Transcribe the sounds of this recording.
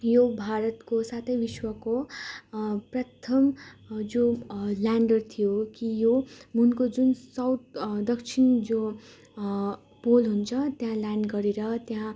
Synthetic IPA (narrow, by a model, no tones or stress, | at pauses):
jobʱaɾʌt̪kosat̪ʰʌjbiswʌko | prʌt̪ʰʌmd͡zoljaɳɖʌrt̪ʰijokijomunkod͡zunsʌwt̪̚ʰd̪ʌkt͡sʰind͡zo | polɦunt͡sʰʌt̪jãlaɳɖɡʌɾeɾʌt̪jã